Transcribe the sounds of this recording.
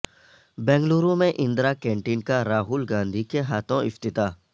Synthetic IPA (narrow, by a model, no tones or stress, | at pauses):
bɛ̃ːŋɡluːɾũmẽʔɪ̃nd̪ɾakɛ̃ːɳʈiːnkaɾaːɦuːlɡãːnd̪ʱikeɦaːt̪ʰõʔɪft̪ɪt̪aː